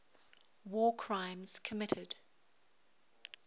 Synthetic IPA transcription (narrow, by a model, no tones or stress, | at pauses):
wɔːkʰɹ̥ãɪ̃mz̥kʰəmɪtʰɪd̥